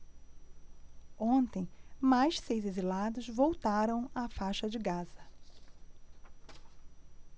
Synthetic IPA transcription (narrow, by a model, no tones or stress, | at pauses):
õnt̪ẽj̃majʃsejzezilad̪ʊzvowt̪aɾɐ̃w̃afajʃɐd͡ʒɪɡazɐ